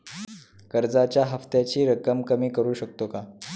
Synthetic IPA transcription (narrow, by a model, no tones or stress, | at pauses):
kəɾd͡zat͡ɕjaɦəft̪jat͡ɕiːɾəkəmkəmiːkəɾuːɕək̚t̪oka